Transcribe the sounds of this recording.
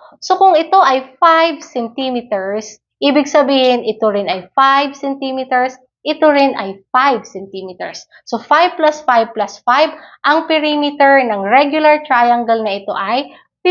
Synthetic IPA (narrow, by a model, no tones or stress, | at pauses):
so̞kʊŋɪt̪o̞ʔɐjfajbsɛnt̪imɪt̪ɛɹs | ʔiːbɪɡsɐbiːhɪnʔɪt̪oɾɪnɐjfajbsɛnt̪imɪt̪ɛɹs | ʔɪt̪oɾɪnʔɐjfajb̚sɛnt̪imɪt̪ɛ̰ɹsː | ofajb̚plasfajb̚plasfajbʔɐŋpɪɾiːmɪt̪ɛɹnɐŋɹɛɡjʊlɐɹt̪ɹajɐŋɡɛlnɐʔɪt̪o̞̰ʔɐj | p